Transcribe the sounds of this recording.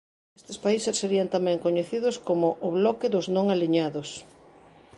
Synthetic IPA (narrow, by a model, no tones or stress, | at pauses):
est̪espaisesːeɾiant̪amɛ̃ŋkoɲeθiðʊskomʊʔːβlɔkɪðʊznõŋaliɲaðʊs